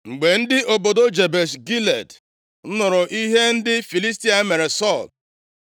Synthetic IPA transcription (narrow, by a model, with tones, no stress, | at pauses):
ŋ͡m̩˨ɡ͡be˨n̩˦dɪ˦ʔo˨bo˨do˦d͡ʒe˨be˨sɡi˦le˨d | n̩˦nʊ˨ɾʊ˨ʔi˦ɦe˦n̩˦dɪ˦fi˨li˦s̬ti˦a˨˦me˨ɾe˨sɔ˦˨l